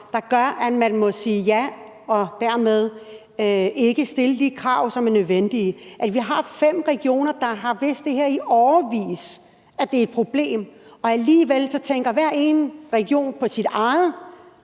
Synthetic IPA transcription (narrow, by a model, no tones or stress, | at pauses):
d̥ɑ̈ɡ̥ɶɐʔæ̥mænmɔ̽siːjæ | ɒ̽d̥æɐmeð̞ˠ | e̝ɡ̥əsd̥e̝lədikʰʁɑ̈ʊsɒ̽mæɐnøðˠʋen̰d̥iʔæ̥ʋiɦɑ̈fem̰ʁɛɡ̥io̝̰ːnɐd̥ɑ̈ɦɑ̈ʋe̝̰ːsd̥e̝heɐ̰iʔɒʊɐʋḭːs | æd̥e̝ed̥̚pʰʁo̝b̥le̝̰ːmɒ̽æliːʋelsɒ̽t͡sʰeŋɡ̥ɐʋæɐ̰e̝ːnʁɛɡ̥io̝̰ːnpʰɒ̽sid̥ɑ̈ɪð̩ˠ